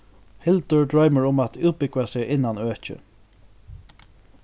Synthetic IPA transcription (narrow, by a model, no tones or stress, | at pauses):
hɪlt̪əɹd̪ɹajməɹʊmat̪ʰuːt̪̚bɪkʋasɪʔɪnːanøːt͡ʃə̰